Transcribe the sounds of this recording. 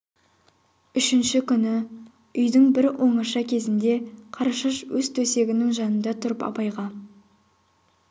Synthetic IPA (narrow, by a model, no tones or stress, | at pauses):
ʏʃɪnʃɪkʲʰʏnɪ | ʏjd̪ɪŋbɪɾwʔo̞ɴɑʃɑkʲʰe̞zɪnd̪e̞qʰɑɾɑʃəʃwɵzt̪ʰɵse̞ɡʲɪnɪŋʒɑnənd̪ɑt̪ʰʊɾəpɑ̰pɑjʁɑ